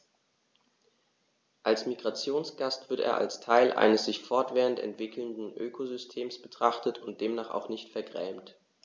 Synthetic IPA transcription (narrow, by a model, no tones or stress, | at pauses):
ʔalsmiɡʁat͡sjoːnsɡ̥astv̥ɪɐtḛːɐʔa̰lstʰaɪlʔa̰ɪnəsz̥ɪçfɔɐtv̥eːʁəntɛ̰ntv̥ɪkl̩ndn̩ʔøːkʰozʏstʰeːmsb̥ətʁ̥aχtətʊnt̚d̥eːmnaːχa̰ʊχnɪçtfɛɐɡʁɛːmt